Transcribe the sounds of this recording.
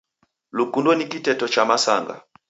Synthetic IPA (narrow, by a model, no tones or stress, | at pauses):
lukundɔnikitɛtɔt͡ʃamasa̰ŋɡa̰